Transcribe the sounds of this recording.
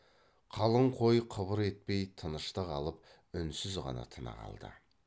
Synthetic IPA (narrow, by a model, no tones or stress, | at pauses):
qʰɑlˠəɴqʰo̞jqʰəβəɾe̞t̪̚pe̞jt̪ʰənəʃt̪əʁɑlˠəp̚ | ʏnsɪzʁɑ̰nɑ̰t̪ʰənə̰ʁɑ̰lˠd̪ə̰